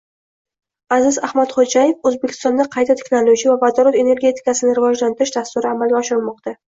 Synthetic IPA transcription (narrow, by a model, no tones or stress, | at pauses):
azɪzahmat̪χod͡ʒaje̞fɵzbekʲɪ̥st̪ɒnd̪aqʰɑjt̪ʰat̪ʰɪ̥kʲnalʊɡʲivavad̪ɒɾat̪e̞ne̞ɾɡʲe̞t̪ʰɪ̥kasɪnɪɾɪvɒd͡ʒlant̪ʰɪɾɪʃd̪ast̪ʊɾɪamalɡʲaɒʃɪɾmɒq̚t̪a